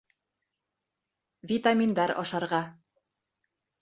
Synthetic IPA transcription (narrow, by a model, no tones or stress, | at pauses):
vʲit̪amʲind̪ɑɾɒ̰ʃɑɾʁɑ